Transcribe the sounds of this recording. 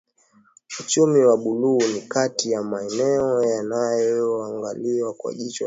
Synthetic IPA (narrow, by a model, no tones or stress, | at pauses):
ut͡ʃumiwaɓuluːnikatijamaɛnɛɔjanajɔaŋɡaliwakwa̰ʄit͡ʃɔ